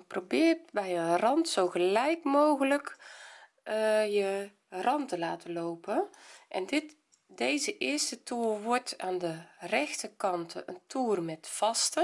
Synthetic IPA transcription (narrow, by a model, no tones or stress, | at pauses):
probɪːrtbɛjənrɑntsowɣəlɛjkmoːɣələk | jə | rɑntəlaːtəloːpəʔɛndɪt | dejzəʔɪərstətuːrʋɔɹtaːndərɛxtərkɑntəə̰ntʰuːrmɛtfɑstə